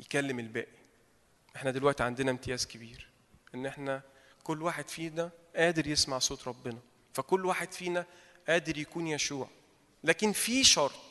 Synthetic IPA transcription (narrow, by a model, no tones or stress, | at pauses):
jekælːemelbæ̰ːʔi | ʔeħnæd̪elwæʔt̪iʕand̪enæmt̪ejæːzkebiːɾ | ʔenːʔeħnæ | kolːwaːħed̪fiːnæʔæːd̪eɾjesmaʕsˤoːt̪ɾˤɑbːenɑ | fækolːwaːħed̪fiːnæ | ʔæːd̪eɾjækuːnjæʃuːʕ | læːkenfiʃɑɾˤt̪ˤ